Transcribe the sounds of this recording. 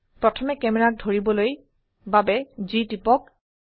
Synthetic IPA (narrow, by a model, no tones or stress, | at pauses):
pɹɔtʰɔmɛkɛmɛɹak̚dʱoɹibɔloj | babɛzitipɔk̚